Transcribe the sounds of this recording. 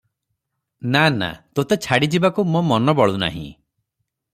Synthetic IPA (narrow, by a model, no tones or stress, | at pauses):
nana̰t̪ot̪et͡ʃʰaɽid͡ʒibakumɔmɔnɔbɔɭuna̰ɦḭ̃